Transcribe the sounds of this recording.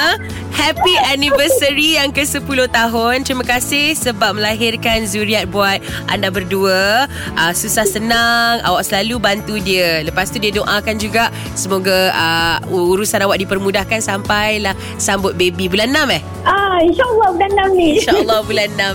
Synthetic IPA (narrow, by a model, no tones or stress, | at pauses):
hɛpianivəsəɾijaŋkəsəpulʊht̪aɦʊnt̪ɾimə̃kasɪhsəbap̚məlaɦɪrkanzuɾiat̪̚buat̪̚ | ʔa̰ndabərduə | ʔəsusahsənaŋa̰waʔsəlalubant̪udiələpast̪udiədoʔakand͡ʒuɡaʔ | səmoɡaəuɾusanawaʔ̚dipərmũdahkansampajlah | sambʊt̪̚bebibulanːamɛh | ainʃaʔəlˠːɔhbulanːamniinʃaəlːɔhbulanːãm